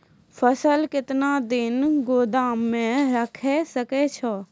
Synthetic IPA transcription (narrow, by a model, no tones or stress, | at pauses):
fʰəsəlkɪt̪naːd̪ɪnɡoːd̪aːmːẽɾəkʰesəket͡ʃʰɔ